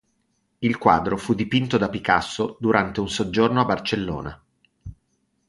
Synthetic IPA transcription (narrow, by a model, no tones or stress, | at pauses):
ilkwa̰ːd̪ɾofud̪ːipint̪od̪apikasːod̪uɾant̪eunsod͡ʒːornoabːart͡ʃelːo̰ːna